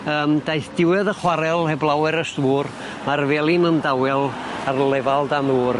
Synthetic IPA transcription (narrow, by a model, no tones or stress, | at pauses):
əːmdajθd̥ɪwɛðəχwaɾɛlˠhɛblˠawɛɾəstvuːr | marvɛːlˠinəndawɛlˠ | arlˠɛvalˠdanðuːr